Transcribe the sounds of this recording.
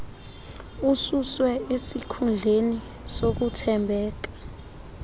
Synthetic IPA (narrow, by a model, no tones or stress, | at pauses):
ususwɛesikʰund͡ɮʱeni | sok̬utʰɛmbʱɛːk̬ḁ